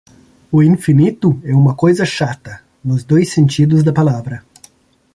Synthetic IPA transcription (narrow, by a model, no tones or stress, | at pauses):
ʊĩfinit̪ʊɛũmɐkojzɐʃat̪ɐ | nʊzd̪ojsẽnt͡ʃid̪ʊzd̪ɐpalavɾɐ